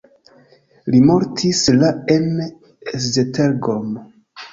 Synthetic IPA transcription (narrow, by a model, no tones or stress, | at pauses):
limo̞ɾtʰislaen | szeteɾɡom